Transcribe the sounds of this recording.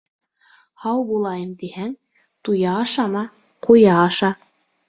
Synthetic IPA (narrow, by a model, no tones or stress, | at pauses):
hɑwbulˠɑjɤmt̪ihæŋ | t̪ujɑːʃɑmɑ | qʰujɑːʃɑ